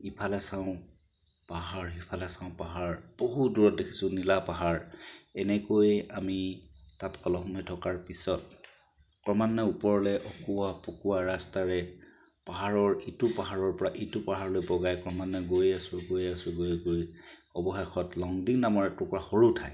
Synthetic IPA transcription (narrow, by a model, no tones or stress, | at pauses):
ipʰalɛsaʊ̃ | paɦaɹɦipʰalɛsãʊ̃paɦaɹb̥oɦuduɹɔt̚dekʰi̥sʊ̃nilapaɦaɹɛnɛkojamitatɔlɔxmɔjtʰɔkaɹpisɔt | kɔmanːɔupɔɹlɛʔɔkuwapukuwaɹastaɹɛ | paɦaɹɔɹitʊpaɦaɹɔɹpɔɹaʔitʊpaɦaɹlojbɔɡajkɔɹmanːɔɡojasʊɡojasʊɡojɡojɔbɔxexɔtlɔŋdiknamɔɹɛtʊpɔɹaxoɹutʰaj